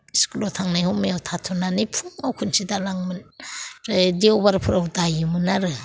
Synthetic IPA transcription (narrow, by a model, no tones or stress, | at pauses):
skulotʰaŋnajhɔmeawtʰatʰɔnanipʰuŋawkʰunsidalaŋmɯnɾdiobaɾpʰɯɾawdajɯmɯnaɾɯ